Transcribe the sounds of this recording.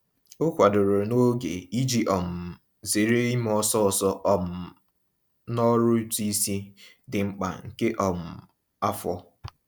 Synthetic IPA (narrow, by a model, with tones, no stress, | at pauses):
o˦kʷa˨dʊ˨ɾʊ˨no˦ɡe˨i˦d͡ʒi˦ʔɔ˨m̩˨ | ze˨ɾe˦i˦m˦ɔ˦sɔ˦ɔ˨sɔ˦ʔɔ˦m̩˨ | nɔ˦ɾʊ˦ti˦si˦ | dɪ˨ŋ͡m̩˦k͡pa̰˨ŋ̩˨ke˦ʔɔ˨m̩˨ | a˦fɔ˦